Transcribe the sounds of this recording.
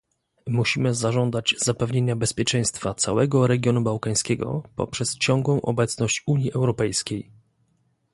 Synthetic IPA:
muɕimɘzaʐɔnd̪ad͡ʑzapɛvɲeɲabɛspʲjɛt͡ʂɛ̃j̃st̪fat̪sa̰wɛɡɔɾɛɡʲjɔnubawkaj̃skʲɛɡɔ̰pɔ̰pʂɛst͡ɕɔ̃ŋɡwɔ̃w̃ʔɔ̰bɛt̪snɔɕt͡ɕuɲjiʔɛwɾɔpɛjskʲej

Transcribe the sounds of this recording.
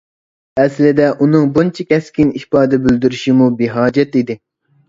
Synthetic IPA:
ɛslɪd̪ɛʔunɨŋbunt͡ʃʰikʲɛskʲinihpɑːd̪ɛbyld̪yɾyʃimubiɦɑːd͡ʒɛt̪id̪ɪ

